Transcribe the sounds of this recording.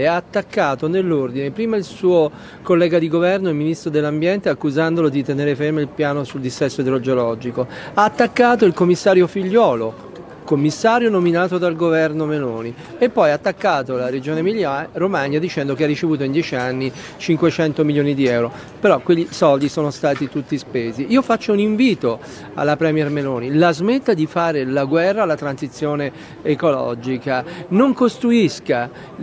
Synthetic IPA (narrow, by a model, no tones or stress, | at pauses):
eaːt̪ːakːaːt̪onelːord̪inepɾiːmailsuːo | kolːɛːɡad̪iɡovɛrnoilminist̪ɾod̪elːambjɛnt̪eakːuzand̪olod̪it̪eneːɾefeɾmeilpjaːnosuld̪isːɛsːoed̪eɾod͡ʒolɔd͡ʒiko | aːt̪ːakːaːt̪̬oilkomːisːaːɾjofiʎːɔːlo | komːisːaːɾjonominaːt̪od̪alɡovɛrnomeloːni | epːɔjaːt̪ːakːaːt̪olaɾed͡ʒoːnemilaɾomaɲːad̪it͡ʃɛnd̪okearːit͡ʃevuːt̪oind̪jɛːt͡ʃianːi | t͡ʃiŋkwet͡ʃɛnt̪omiljoːnid̪iɛwɾo | peɾɔkweʎːisɔld̪isoːnost̪aːt̪it̪ut̪ːispeːziiːofat͡ʃːouniɱviːt̪o | a̰lːapɾɛmjɛrmeloːnilazmet̪ːad̪ifaːɾelaɡwɛrːaːlat̪ɾansit̪sːjoːneː | kolɔ̰d͡ʒikanoŋkost̪ɾuiska